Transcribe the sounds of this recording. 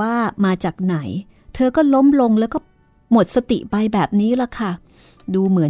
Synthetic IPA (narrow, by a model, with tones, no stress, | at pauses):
aː˥˩maː˧t͡ɕaː˨˩k̚na˩˦j | t̪ʰɤː˧kɔː˥˩lo˦˥mlo˧ŋlɛ˦˥wkɔː˥˩ | mo˨˩t̪̚sa˧t̪i˨˩ʔpa˧jbɛː˨˩p̚niː˦˥la˧˦˩kʰa˥˩ | duː˧mɯ˩˦ə˦